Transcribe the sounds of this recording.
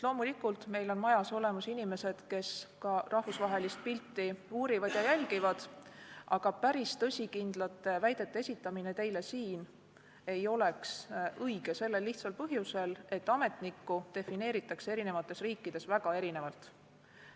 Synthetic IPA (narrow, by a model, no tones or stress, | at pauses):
lo̞ːmulikult̪me̞jlo̞nmɑjɑso̞le̞musinime̞se̞d̪̥ke̞skɑrʔɑhvusvɑɦe̞list̪̚pilt̪ːiuːɾivɑd̪̥jɑjælʲɡ̥ivɑd̪̥ʔɑɡ̥ɑpæɾist̪ɤsʲikind̪̥lɑt̪ːˑe̞væjd̪̥e̞t̪ːˑe̞esʲit̪ːˑɑmine̞t̪e̞jle̞siːn | e̞jo̞le̞ksɤjɡe̞se̞lːe̞lːiht̪sɑlpɤɦjuse̞le̞t̪ːˑɑme̞t̪nikːˑut̪e̞fine̞ːɾit̪ːˑɑkse̞ɾine̞vɑt̪ːˑe̞sriːkˑːid̪̥e̞svæɡ̥ɑe̞ɾine̞vɑlt̪